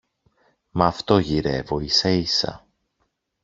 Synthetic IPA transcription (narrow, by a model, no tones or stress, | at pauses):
mɐːft̪o̞ʝiɾe̞vo̞isɐisɐ̰